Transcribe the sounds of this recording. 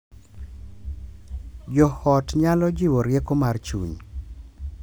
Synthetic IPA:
d͡ʒɔhɔtɲalɔd͡ʒɪwɔɾjekomart͡ʃṵɲ

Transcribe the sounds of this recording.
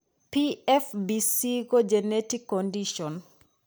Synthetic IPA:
piɛfbisiɡod͡ʒenetikːɔndiʃɔn

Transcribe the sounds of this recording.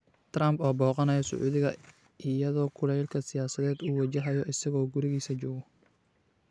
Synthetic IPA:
t̪rɐmbɔːbɔːqɑnɐjɔsʊ̰ʕʔuːðɪɣɐ | ɪjɐðɔːkʰʊlɛjlkʰɐsɪjaːsɐðɛːd̪uːwɐt͡ʃɐɦɐjɔʔɪsɐɣɔːɡʊɾɪɣiːsɐt͡ʃɔːɣɔ

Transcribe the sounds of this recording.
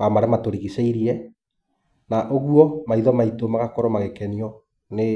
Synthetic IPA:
amaɾɛmatoɾiɣiseiɾiɛ | naʔoɣwɔmaiðɔmaitomaɣakɔɾɔmaɣekɛniɔ | ne

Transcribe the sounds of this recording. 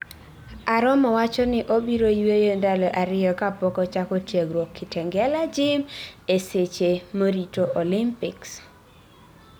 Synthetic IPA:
aɾɔmɔwat͡ʃɔnɪʔobiɾojwejondalɔʔaɾɪjɔkapɔkɔt͡ʃakɔtjeɡɾwokʰːɪtɛŋɡɛlad͡ʒɪmeset͡ʃemoɾitoʔolɪmpɪks

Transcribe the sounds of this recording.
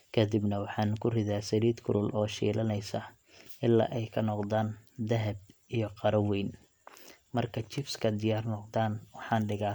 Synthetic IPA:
kʰɐd̪ɪbnɐwɑħɑːnkʰʊrɪðaːsɐɾiːd̪kʰʊɾʊlɔːʃḭːlɐnɛjsɐ | ʔɪlːa̰ːʔɛjkʰɐnɔqd̪aːnd̪ɐɦɐb̚ijɞqɑɾɐwɛjn | mɐrkʰɐt͡ʃɪfskʰɐd̪ɪjaːrnɔqd̪aːnwɑħɑːnɖɪɣa

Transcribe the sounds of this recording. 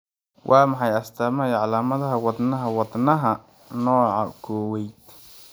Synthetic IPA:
wʔɑːmɑħɑjɐst̪ʰaːmɐjɐʕɑlaːmɐðɐɦɐwɑd̪nɐɦɐwɑd̪nɐɦɐ | nɔːʕɑkʰɔːwɛjd̪

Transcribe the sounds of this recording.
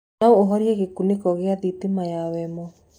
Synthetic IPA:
naooɦɔɾiɛɣekunekɔɣeaðit̪emajawɛmɔ

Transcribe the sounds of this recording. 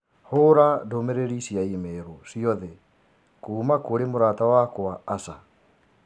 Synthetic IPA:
hoɾadomeɾeɾisjaimɛɾosiɔðɛ | kuːmakoɾemoɾatawakwaːsa

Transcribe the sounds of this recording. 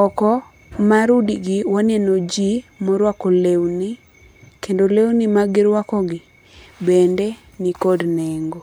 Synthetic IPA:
ɔkɔ | maɾudiɡɪwanɛnod͡ʒimɔɾwakɔlewni | kendolewnimaɡɪɾwakɔɡɪ | bende | nikodnɛŋɡo

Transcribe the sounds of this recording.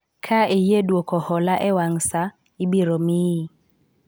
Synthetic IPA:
kʰaejedwokɔhɔlaʔɛwaŋsa | ibiɾomiːi

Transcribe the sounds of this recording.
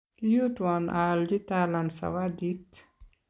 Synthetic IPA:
lut̪wanʔald͡ʒit̪alamsa̰wad̪it̪

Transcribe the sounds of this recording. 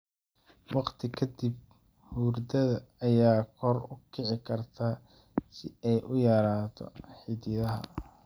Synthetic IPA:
wɑqt̪ʰɪkʰɐd̪ib̚ | huːrd̪ɐðɐːjaːkʰɔrʊkʰɪʕɪkʰɐrt̪ʰaː | sɪɛjʔʊjaːɾaːt̪ʰɔ̰ħɪd̪ɪðɐɦɐ̰

